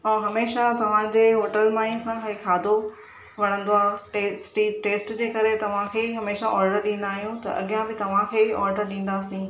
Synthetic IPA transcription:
ɛ̃ːɦɐmeːʃat̪ɐʋ̤ãd͡ʑeːɦoːʈəlmãːĩsãekʰaːd̪ʱo | ʋɐɽ̃ə̃nd̪oaːɦʈesʈiʈeːsʈd͡ʑeːkɐɾet̪ɐʋ̤ãkʰeːɦɐmeːʃaʔɔːɾɖəɾɗĩːn̆d̪aːɦijũt̪ɐ̰ʔɐ̰ɠijãbɪt̪ɐʋ̤ãkʰeːɔːɾɖəɾɗĩːn̆d̪aːsĩ

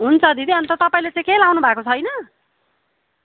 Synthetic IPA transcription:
ɦunt͡sʰʌd̪id̪iʌnt̪ʌt̪ʌpaĩlet͡sãĩkelawnubʱakot͡sʰʌjnʌ

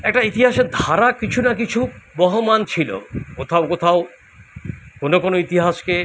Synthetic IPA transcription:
ɛk̚ʈait̪iɦaʃeɾd̪ʱaɾakit͡ɕʰunakit͡ɕʰubɔɦomant͡ɕʰilo̰kot̪ʰaokot̪ʰao | konokonoit̪iɦaʃke

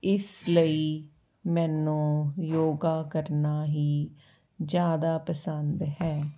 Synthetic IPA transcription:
ɪsləiː | mɛːnũːjoːɡaːkəɾnaːɦiː | d͡ʒjaːd̪aːpəsənd̪ɦɛː

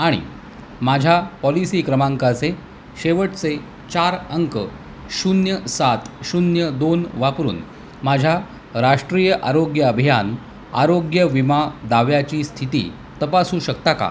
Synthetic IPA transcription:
aɽ̃ḭ | mad͡ʑʱjapɔlisiːkɾəmãŋkat͡se | ɕeʋəʈt͡se | t͡ɕaɾəŋkə̰ | ɕunjəsat̪ɕunjəd̪onʋapɾṵːn | mad͡ʑʱja | ɾaʂʈɾijəʔaɾoɡjəəbʱijan | a̰ɾoɡjəʋimad̪aʋjat͡ɕiːst̪ʰit̪ḭː | t̪əpasuːɕək̚t̪aka̰

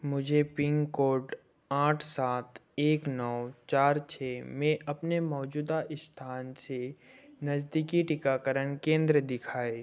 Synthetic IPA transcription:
mʊd͡ʒʱepɪ̃ŋɡkoːɾʈ | aːʈʰsaːt̪ʰeːknɔːt͡ʃaːɾt͡ʃʰɛːmẽʔɐpnemɔːd͡ʒuːd̪aʔɪst̪ʰaːnsenɐd͡ʒd̪ikiʈɪkakəɾənkẽːnd̪ɾəd̪ɪkʰaːeː

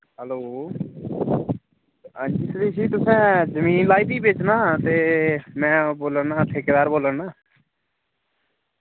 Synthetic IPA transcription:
ɦəloː | d͡ʒɪsd̪iːsʰiːt̪ʊsɛ̃ːzəmiːnlaːiːd̪iːbeːt͡ʃnaːt̪eːmɛ̃ːboːlənãːəʈ̪ʰːeːkeːd̪aːɾboːləɳnaː

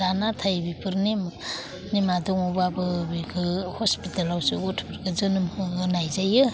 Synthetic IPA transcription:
anatʰajbipʰɯɾnim | nimadɔŋubabɯbikʰɯhɔspitalawsiotʰpʰɯɾɡɯzɯnɯmɯɯnajzajɯ

